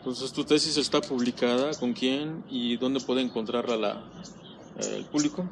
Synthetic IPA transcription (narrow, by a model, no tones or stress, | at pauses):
et̪o̞nse̞st̪ut̪e̞sis̬e̞st̪apuβ̞likaðako̞ŋkje̞niðo̞nd̪e̞pwe̞ðeːŋko̞nt̪ɾaɾlala̰ | ḛlpuβliko̞